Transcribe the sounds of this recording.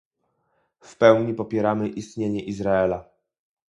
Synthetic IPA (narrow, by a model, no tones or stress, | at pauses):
fpɛwɲipɔpʲjɛɾamɘʔist̪ɲeɲɛʔizɾaɛla